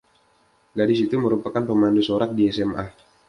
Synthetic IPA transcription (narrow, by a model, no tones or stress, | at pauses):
ɡadɪsit̪uməɾupakanpəmandusoɾak̚diɛsɛma̰